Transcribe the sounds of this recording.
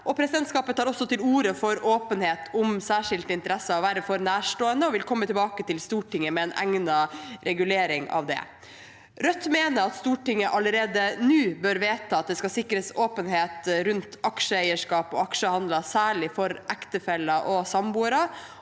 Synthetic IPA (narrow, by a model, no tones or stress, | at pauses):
ʔɔpʰɾɛsɪd̪ɛnt̪skɑːpət̪hɑːɾɔsːɔt̪ɪluːɾəfɔɾoːpənheːt̪ʰʊmsæːʂɪlt̪ɪnt̪əɾɛsːəɔʋæːɾəfɔɾnæːʂʈoːənd̪əɔʋɪlkʰɔmːət̪ʰɪlbɑːkət̪ʰɪlst̪uːʈɪŋːəmɛɛnʔæ̰ŋnɑɾɛɡʉleːɾɪŋɑ̰ʋd̪ɛ̰ | ɾœt̪ːmeːnəɾɑt̪st̪uːʈɪŋːəʔɑləɾeːd̪ənʉːbøɾʋeːt̪ʰːɑːɑt̪̚d̪ɛskɑsɪkːɾəsoːpənɦeːt̪ɾʉnt̪ɑkʂəæɪəʂkɑːpɔɑkʂəhɑnd̪lɑsæːɭɪfɔɾʔækt̪əfɛlːɑʔɔsɑmbuːɾɑ